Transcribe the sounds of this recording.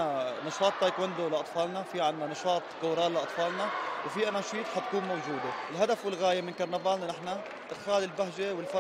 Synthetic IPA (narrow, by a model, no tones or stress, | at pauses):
anɑʃɑːt̪ˤːajkwɪnd̪olɪʔɑt̪ˤfɑːlnafiʕɪnːanɑʃɑːt̪ˤkʊːɾɑːlɪʔɑt̪ˤfɑːlnawfiʔanaːʃiːt̪ħat̪̚kuːnmowʒuːd̪eɪlɦad̪afwɪlɣaːjemɪnkɑɾˤnabaːlnanɪħna | ʔɪd̪xaːlɪlbaɦʒewɪlfa